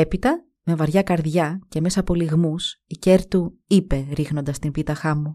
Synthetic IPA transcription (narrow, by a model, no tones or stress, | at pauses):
epit̪ɐ | me̞vɐɾʝɐkɐɾðʝɐce̞me̞sɐːpo̞liɣmusice̞ɾt̪uipe̞ɾixno̞nd̪ɐst̪imbit̪ɐxɐmu